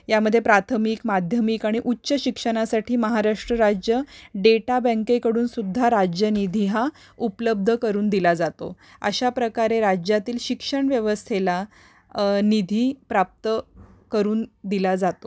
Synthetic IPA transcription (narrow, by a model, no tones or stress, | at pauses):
jaməd̪ʱːjepɾat̪ʰəmiːkmad̪ʱjəmiːkaɽ̃iʔutːɕəɕikʂəɽ̃asaʈiːməɦaɾaʂʈɾəɾad͡ʑjəɖeʈabə̃ŋkekəɽuːnsud̪ʱːaɾad͡ʑjənid̪ʱiɦa | upləb̚d̪ʱəkəɾuːnd̪ilad͡zat̪o̰ | ə̰ɕapɾəkaɾeɾad͡ʑjat̪iːlɕikʂəɳʋjəʋəst̪ʰela | nid̪ʱiːpɾap̚t̪ə | kəɾuːnd̪ilad͡zat̪o